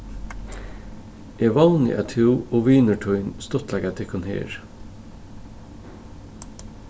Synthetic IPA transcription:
eːʋɑːnɪ̰ʔæt̪ʰʉːoːʋiːnəʈʰɔʏnst̪ɔt̪læɡæt̪ʰɛkʰɔnhḛːɹ

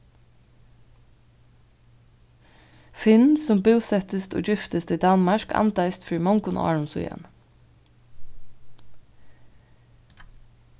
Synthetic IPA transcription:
fɪnsʊmbʉːsɛt̪əst̪ʰo̰ːd͡ʒʏft̪əst̪iːd̪ɑnmɑʃkʰɑ̰nt̪d̪æɪst̪fɹiːmɔŋɡʊn̰ːɑ̰ːɹʊmsʊ̰j̰n

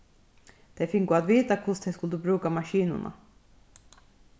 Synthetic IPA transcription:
d̪̥ɛfɪkɡoːat̪veːt̪akʰʊʂd̪ɛskɵld̪ɵbɾʉ̟ːkamaɕiːnʊ̰ɳa̰

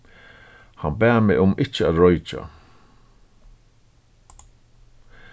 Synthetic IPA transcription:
hanbɛːmɪʔʊmɪt͡ʃəaɹɔjt͡ʃa̰

